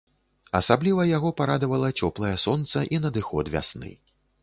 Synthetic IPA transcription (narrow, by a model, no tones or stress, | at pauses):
ɐsablʲivɐjaɣɔpaɾad̪ɐvɐlˠɐt͡sʲɔplˠɐjɛsɔnt̪sɐʔinɐd̪ɨxɔt̪vʲa̰snɨ̰